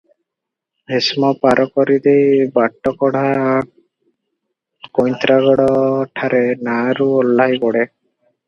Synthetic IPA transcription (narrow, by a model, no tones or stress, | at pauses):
bʱesmɔpaɾʔɔkɔɾid̪ejbaʈːɔkɔɽaː | kojnt̪ɾaɡɔɽɔʈʰaɾenaɾuolːajbɔɽe